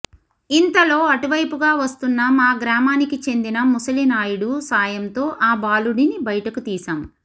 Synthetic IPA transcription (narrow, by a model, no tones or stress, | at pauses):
int̪ɐlo̞ːɐʈuʋɐjpuɡaːʋɐst̪unːɐmaːɡɾaːmaːnikit͡ʃe̞nd̪inɐmusɐlinaːjuɽusaːjɐnt̪o̞ːʔaːbaːluɽinibɐjɐʈɐkut̪iːsam